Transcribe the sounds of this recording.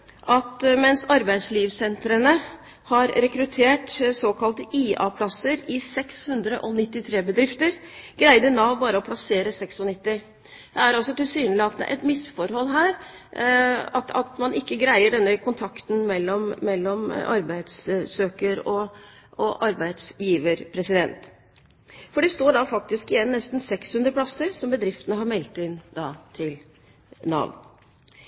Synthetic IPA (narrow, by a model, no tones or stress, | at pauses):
ʔɑt̪mɛnsɑɾbæɪd̪sliːʋsɛnt̪ɾənə | hɑɾɾɛkɾʉt̪ʰeːʈsoːkʰɑlt̪əiːɑ̰ːpʰlɑsəɾɪsɛkshʉnd̪ɾə̰ʔɔnɪt̪ːɪt̪ʰɾeːbəd̪ɾɪft̪əɾɡ̥ɾæɪd̪ənɑʋbɑːɾəɔpʰlɑseːɾəsɛksɔnɪt̪ːɪ | d̪̥ɛæɾɑlsɔt̪ɪlsyːnəlɪɑt̪d̪ɛ̰ʔɛ̰t̪mɪsfɔɾhɔlːɦæːɾ | ɑt̪ɑt̪mɑnʔɪkːəɡɾæɪəɖɛnːəkʰʊnt̪ʰɑkt̪n̩mɛlːɔmːɛlːɔmɑ̰ɾbæɪd̪ssøːkəɾɔ | ɔʔɑɾbæɪd̪sjiːʋəɾpʰɾɛsɪd̪ɛnt̪ | fɔɖɛst̪oːɖɑfɑk̚t̪ɪskɪjɛnːɛst̪n̩sɛkshʉnd̪ɾəplɑsəɾsɔmbəd̪ɾɪft̪ənəɦɑɾmɛlt̪ɪnːd̪ɑt̪ʰɪl | nɑ̰ːʋ